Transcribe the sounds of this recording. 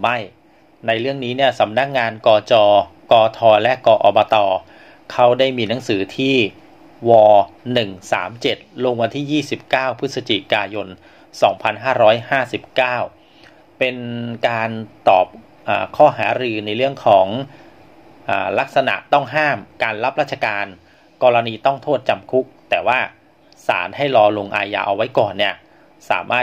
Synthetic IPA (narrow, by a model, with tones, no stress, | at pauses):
ma˥˩j | na˧jɾɯ˥˩əŋniː˦˥ni˥˩əsa˩˦mna˦˥˩k̚ŋaː˧nkɔː˧t͡ɕɔː˧kɔː˧t̪ʰɔː˧lɛ˦˥ʔkɔː˧ʔɔː˧bɔː˧t̪ɔː˧ | kʰa˦˥wdaː˥˩jmiː˧na˩˦ŋsɯː˩˦t̪ʰiː˥˩ | wɔː˧nɯ˨˩ŋsa̰ː˩˦mt͡ɕe˨˩t̪̚lo˧ŋwa˧nt̪ʰiː˥˩jiː˥˩si˨˩p̚kaː˥˩wpʰɯ˦˥t̪̚sa˧t͡ɕḭ˨˩kaː˧jo˧n | sɔː˩˦ŋpʰa˧nɦaː˥˩ɾɔː˦˥jhaː˥˩si˨˩p̚kaː˥˩w | pe˧nkaː˧nt̪ɔ̰ː˨˩p̚ | ʔa̰ː˨˩kʰɔː˥˩ɦa̰ː˩˦ɾɯː˧na˧jɾɯ˥˩əŋkʰɔː˩˦ŋ | ʔaː˨˩la˦˥k̚sa˧na̰˨˩ʔt̪ɔ˥˩ŋɦaː˥˩mkaː˧nla˦˥p̚ɾaː˥˩t̪̚t͡ɕʰa˧kaː˧n | kɔː˧ɾa˧niː˧t̪ɔ˥˩ŋt̪ʰoː˥˩t̪̚t͡ɕa˧mkʰu˦˥k̚t̪ɛː˨˩waː˥˩ | sa̰ː˩˦nha˥˩jlɔː˧lo˧ŋʔa̰ː˧ja̰ː˧ʔa̰˧wa˦˥jkɔː˨˩nːi˥˩ɐ | sa̰ː˩˦mʔaː˥˩